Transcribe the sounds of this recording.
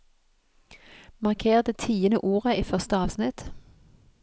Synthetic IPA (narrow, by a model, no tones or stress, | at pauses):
mɑʁkʰeːʁd̪ət̪ʰiːənəʔuːʁəʔiːfœʁst̪əɑːʋsnɪt̪